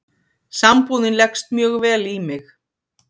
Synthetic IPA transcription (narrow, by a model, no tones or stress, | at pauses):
sampuːwðɪnlɛkst̪̚mjœːɣvɛːlimɪx